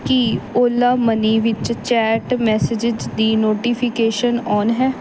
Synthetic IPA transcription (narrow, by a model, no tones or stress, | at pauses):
kioːlːaːməniːʋɪt͡ʃt͡ʃɛːʈmɛːsɪd͡ʒɪd͡ʒd̪iːnoːʈiːpʰɪkeːʃənɔːnɦɛː